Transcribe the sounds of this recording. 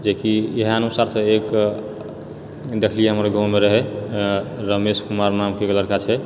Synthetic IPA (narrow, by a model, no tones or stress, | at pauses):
d͡ʒekijeɦənusaɾsə̃ek | d̪ekʰlieɦəmɾɡãmeɾəɦɛ | ɾəmeskumaɾnamkeɡləɾkat͡ʃʰɛ